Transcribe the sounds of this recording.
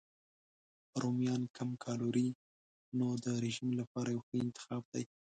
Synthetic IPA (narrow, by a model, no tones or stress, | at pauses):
ɾomjɑnkʰamkʰɑloɾi | nod̪əɾɪʒimlapɑɾajawxəɪnt̪ɪ̥xɑb̚d̪aj